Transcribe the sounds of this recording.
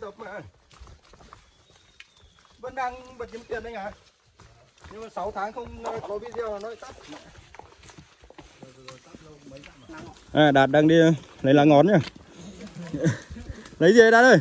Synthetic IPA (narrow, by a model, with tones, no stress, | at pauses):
t̪ə˨˩p̚ma˨˩˨ | və˧nɗaː˧ŋɓə˨˩ɲi˨˦t̪i˨˩ənɗa˨˧jŋaː˨˩ | ɲɨ˧ŋmaː˨˩sa˨˦wt̪ʰaː˨˦ŋxə˧wŋ͡mnɔ˨˦kɔ˨˦vi˧˥zɛ˧wnɔ˨˦˨t̪aː˦˥p̚ma̰˧˨˩ | a˦˥˧ə˨˦˩ | ʔaː˨˩ɗaː˨˩t̚ɗaː˧ŋɗi˧lə˨˦nla̰ː˧˨˩ŋɔ˨˩˦nɲaː˧˩ | lə˨˦jzi˨ə˨˦ɗaː˧˩t̚əː˧˩j